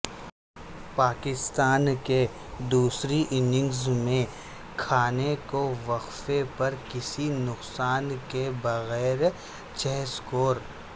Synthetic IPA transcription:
paːkɪst̪aːnke | d̪uːsɾiʔɪnɪ̃ŋɡzmẽ | kʰaːnekoʋɐqfepɐɾkɪsinʊqsaːnkebɐɣɛːɾ | t͡ʃɛːskoːɾ

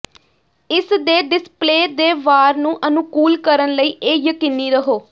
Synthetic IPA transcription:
ɪsd̪eːɖɪspleːd̪eːʋaːɾnũːʔənʊkuːlkəɾənləiːʔeːjəkiːniːɾəɦoː

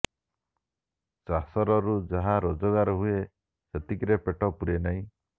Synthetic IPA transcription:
t͡ʃasɔɾɔɾud͡ʒaɦaɾod͡ʒɔɡaɾɔɦue | set̪ikɾepeʈɔpuɾenaĩ

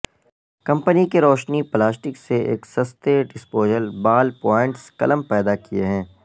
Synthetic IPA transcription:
kɐ̃mpənikeɾɔːʃniplaːsʈɪkseḛːksɐst̪eɖɪspoːd͡ʒəɾbaːlpɔːɪ̃ɳʈskɐ̰ləmpɛːd̪akieɦɛ̃ː

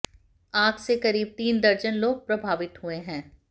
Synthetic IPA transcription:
aːɡsekɐɾiːb̚t̪iːnd̪ɐɾd͡ʒənloːɡ̚pɾɐbʱaːʋɪt̪ɦueɦɛ̃ː

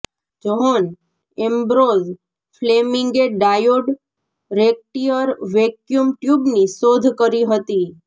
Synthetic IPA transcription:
d͡ʒɔɦɔn | ẽmbɾoz | flemɪŋɡeɖajoɖ | ɾek̚ʈiəɾʋekjumʈjubnisod̪ʱkəɾiɦət̪i

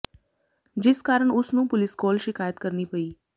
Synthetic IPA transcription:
d͡ʒeskaɾəɳʊsnũpʊlɪskɔlʃɪkajət̪kəɾnipəi

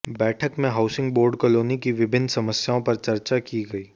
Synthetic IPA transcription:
bɛːʈʰəkmẽɦaʊsɪ̃ŋɡ̚boːɾɖkəloːnikiʋɪbʱɪnːsɐməsjaːõpɐɾt͡ʃɐɾt͡ʃakiɡɐiː

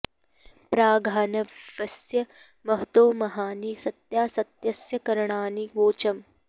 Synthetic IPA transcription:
pɾaːɡʱaːnɐʋɐsjɐ | mɐɦt̪oːmɐɦaːnisɐt̪jaːsɐt̪jɐsjɐkɐɾɐɳaːniʋoːt͡ʃɐm

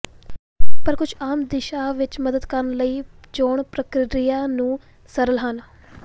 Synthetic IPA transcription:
pəɾkʊd͡ʒʰaːmd̪ɪʃaːʋɪt͡ʃməd̪əd̪kəɾnləiːd͡ʒoːɳpɾəkɾɾijaːnũː | səɾəlɦən

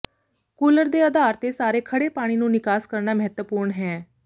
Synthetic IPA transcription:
kuːləɾd̪eːəd̪aːɾt̪eːsaːɾeːkʰəɽeːpaːɽ̃iːnũːnɪkaːskəɾnaːməɦət̪wəpuːɾɳɦɛː

